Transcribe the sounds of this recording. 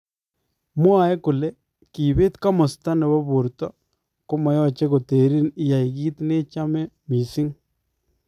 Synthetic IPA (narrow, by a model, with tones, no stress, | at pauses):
mwa˨ɛ˦kʊ˨le˦ | ki˨be˦t̪ka˦mɔ˨sta˦nɛ˨bɔ˦bo˨ɾtɔ˦ | ko˦mɔ˨jɔ˦t͡ʃe˦ko˨te˨ɾi˦nɪ˦ja˨i˨ɡi˦t̪ne˦t͡ʃa˦mɛ˦ | mi˨sɪ˦ŋ